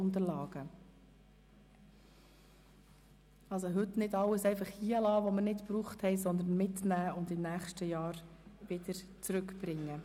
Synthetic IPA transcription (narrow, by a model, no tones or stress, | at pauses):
ʊnt̪əlɑːɡ̥ə | ɑlsoɦɵtnɪdɑlːəsɛɪfɑχhiːəlɑːʋɔməɾnɪtpɾuːχthɛɪsɔnd̪ən̩mɪtnæːʊnd̪ɪmnæːχʃtəjɑːɾʋɪd̪̥əɾ | t͡sɾɵkb̥ɾɪŋːə